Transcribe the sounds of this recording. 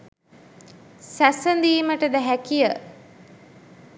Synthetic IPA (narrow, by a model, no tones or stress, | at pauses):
sæsənd̪iːməʈəd̪əɦækijə